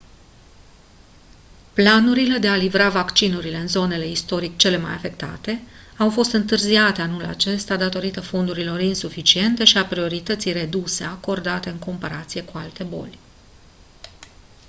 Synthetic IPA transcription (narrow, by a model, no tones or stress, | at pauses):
planuɾile̞d̪e̞alivɾavakt͡ʃinuɾile̞ɨnzo̞ne̞le̞ist̪o̞ɾik̚t͡ʃe̞le̞ma̰jafe̞kt̪a̰t̪e̞awfo̞st̪ɨnt̪ɨrziat̪e̞anula̰t͡ʃe̞st̪ad̪at̪o̞ɾit̪əfo̞nd̪uɾilo̞rinsufit͡ʃie̞nt̪e̞ʃiapɾio̞ɾit̪ət̪sijre̞d̪use̞ako̞rd̪at̪e̞ɨŋko̞mpaɾat̪sije̞kualt̪e̞bo̞̰lʲ